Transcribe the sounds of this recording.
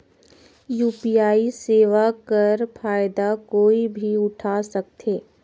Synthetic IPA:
juːpijaːiseːʋakɐɾpʰaːɪd̪akoːibʱiʊʈʰaːsɐk̚t̪eː

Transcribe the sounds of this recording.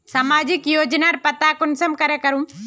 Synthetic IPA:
samaːd͡ʒikjoːd͡ʒnaɾpɐt̪akʊnsɐmkɐɾekɐɾũm

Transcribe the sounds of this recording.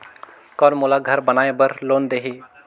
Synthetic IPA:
kɔːɾmʊlaɡʱɐɾbənaːebəɾloːnd̪eːɦiː

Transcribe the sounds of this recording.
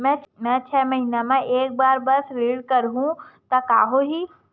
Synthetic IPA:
mɛ̃mɛ̃t͡ʃʰɛːmɐɦiːnemẽʔeːk̚baːɾbɐsɾiːɽkɐɾɦũt̪ɐka̰ːɦoɦiː

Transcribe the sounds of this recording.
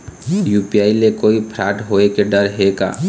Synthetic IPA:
juːpiaːilekoːipʰɾaːʈɦoːekeɖəɾɦeka̰ː

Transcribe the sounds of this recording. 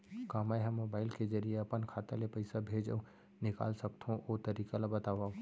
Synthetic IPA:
kaːmaːjɦɛ̃mːoːbaːɪlkezɐɾijeɐpənkʰaːt̪alepəɪsabʱeːd͡ʒə̰ | nɪka̰ːlsɐkt̪ʰɦõʔoːt̪ɐɾiːkalabɐt̪aːʋaːo

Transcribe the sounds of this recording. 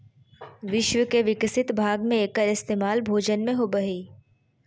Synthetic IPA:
ʋɪʃʋəkeʋɪksɪt̪bʱaːɡmẽeːkəɾɪst̪eːmaːlbʱoːd͡ʒənmẽɦobəɦiː

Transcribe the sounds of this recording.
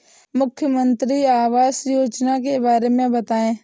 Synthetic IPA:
mʊkʰjəmə̃nt̪ɾiaːʋaːzjoːd͡ʒnakebaːɾemẽbət̪aːẽː

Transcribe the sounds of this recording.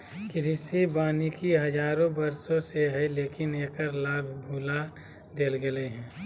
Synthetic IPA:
kɪɾɪsibaːnikiɦəd͡ʒaːɾõbəɾsõseɦɛleːkɪneːkəɾlaːbʱbʱuːla | d̪eːlɡeleɦɛ̃ː

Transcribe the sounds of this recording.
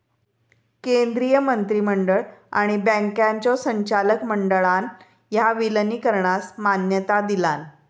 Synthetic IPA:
kend̪ɾijəmənt̪ɾiːməɳɖəɭa̰ɽ̃ibə̃ŋkjaɲt͡ɕɔsəɲt͡ɕaləkməɳɖəɭan | jaʋiləniːkəɾɳasmanjət̪ad̪ilan

